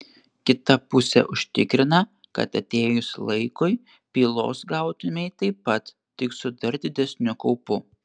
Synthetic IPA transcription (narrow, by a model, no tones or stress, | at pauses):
kʲɪt̪ɐpʊsʲɛ̰ʔʊʃʲt̪ʲɪkɾʲɪnɐ | kɐ̰t̪ɐt̪ʲeːjʊslˠɐɪkʊɪ | pʲiːlˠo̰ːsɡɑʊt̪ʊmʲɛɪt̪ɐɪpːɐt̪ | t̪ʲɪksʊd̪ɐɾd̪ʲɪd̪ʲɛsʲnʲʊkɔʊpʊ